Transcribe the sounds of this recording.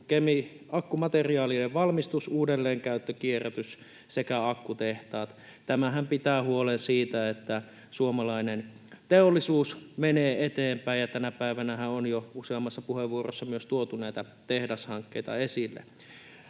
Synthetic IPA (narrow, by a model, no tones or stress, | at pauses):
kemi | ʔɑkːumɑt̪eriɑːliːleʋʋɑlmist̪usuːdelːeːŋkæˑyt̪ːøkieræt̪ys | sekæɑkːut̪eht̪ɑːt̪ | t̪æmæhæmpit̪æːhuolensiːt̪æet̪ːæ | suomɑlɑinen | t̪eolːisuːsmeneːet̪eːmpæˑijjɑt̪ænæpæˑiʋænæhæonjouseɑmːɑsːɑpuheʋʋuoro̰sːɑmyøst̪uot̪unæˑit̪æ | t̪ehdɑshɑŋkːḛit̪ɑ̰esilːḛ